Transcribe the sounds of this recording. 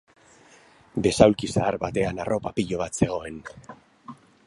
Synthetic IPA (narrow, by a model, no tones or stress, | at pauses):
be̞sawlkisaːɾbat̪e̞anaro̞papiʎo̞β̞at̪se̞ɣ̞o̞e̞n